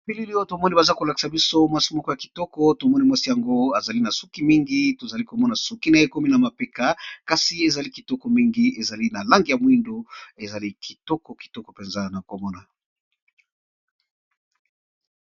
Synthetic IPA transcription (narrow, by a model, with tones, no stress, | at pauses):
pi˦li˦li˦o˦to˨mɔ˦ni˦ba˨za˦ko˨la˨ki̥˨sa˨bi˦so˦mwa˦si˦mɔ˦kɔ˦ja˨ki̥˨tɔ˦kɔ˦to˨mɔ˦ni˦mwa˦si˦ja˨ŋɡo˦a˨za˨li˦na˨su˦ki˨˦mi˦ŋɡi˦to˨za˨li˦ko˨mɔ˦na˨su˦ki˦na˨e˦ko˦mi˦na˨ma˨pe˦ka˨ka˨si˨e˨za˨li˦ki˨tɔ˦kɔ˨mi˦ŋɡi˦e˨za˨li˦na˨la˦ŋɡi˨ja˨mwi˦ndo˦e˨za˨li˦kʰi̥˨tɔ˦kɔ˨ki̥˨tɔ˦kɔ˨pe˨nza˦na˨ko˨mɔ˦na˨